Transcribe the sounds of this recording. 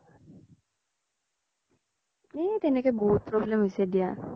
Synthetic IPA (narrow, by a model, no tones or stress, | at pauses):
et̪enekeboɦut̪̚pɾɔblemʋised̪ija